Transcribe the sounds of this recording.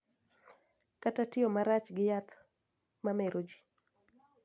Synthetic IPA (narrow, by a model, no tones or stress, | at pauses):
katatɪomaɾat͡ʃɡɪjat̪ | mameɾʔod͡ʒi̥